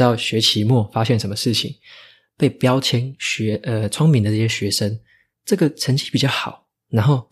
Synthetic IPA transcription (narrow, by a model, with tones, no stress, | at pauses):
ɑ˥˩ʊɕɥɛ˧˥t͡ɕʰi˧˥mwɔ˥˩fa˦˥ɕjɛ˥˩nʂə˧˥nmə˧ʂɻ̩˥˩t͡ɕʰḭ˨˩˦ŋ | pe˥˩ɪpjɑ˥˦ʊt͡ɕʰjɛ˥nɕɥɛ˧˥ʔə˧˩t͡sʰʊ˥ŋmi˨˥ŋd̪ə˧ʈ͡ʂɤ˥˧˩ɕjɛ˥˧ɕɥɛ˧˥ʂə˥n | ʈ͡ʂɤ˥˩ɡə˨˩ʈ͡ʂʰə˧˥nt͡ɕʰi˧˥pi˨˩t͡ɕjɑ˥˩ʊxɑ˨˩˦ʊ | na˧˥nxo˥˩ʊ